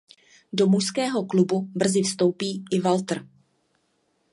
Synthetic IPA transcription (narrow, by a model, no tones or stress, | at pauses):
do̞muʃskɛːɦo̞klububr̩zɪfst̪o̞wpiːʔɪvalt̪r̩